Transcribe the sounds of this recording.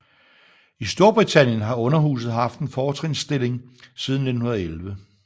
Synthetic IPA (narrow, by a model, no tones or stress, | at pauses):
isd̥o̝ɐb̥ʁit͡sʰæn̰jənɦɑ̈ɔ̽nɐɦṵːs̬ð̩ˠɦɑ̈fd̥enfɒːt͡sʰʁeŋsd̥e̝l̰e̝ŋsið̞ˠn̩ne̝d̥n̩hunɐðˠelʋə